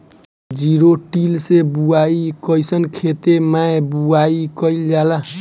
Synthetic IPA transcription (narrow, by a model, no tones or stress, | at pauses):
d͡ʒiɾoʈilsebuaikəjsənkʰet̪emaebuaikəild͡ʒala